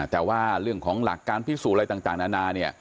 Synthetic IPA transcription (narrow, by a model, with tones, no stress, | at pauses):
t̪ɛː˨˩waː˥˩ɾɯ˥˩əŋkʰɔː˩˦ŋla̰˨˩kːaː˧npʰi˦˥˩suː˨˩ɾa˧t̪a˨˩ŋt̪aː˨˩ŋnaː˧˥naː˧ni˥˩ə